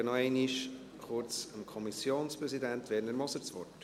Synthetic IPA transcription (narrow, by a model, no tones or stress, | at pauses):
ənɔɛɪniʃ | χʊɾt͡səmkʰɔmisjoːnspɾɛsidænt̪ʋɛːɾəndəɾmɔsəɾt͡sʋɔ̰rt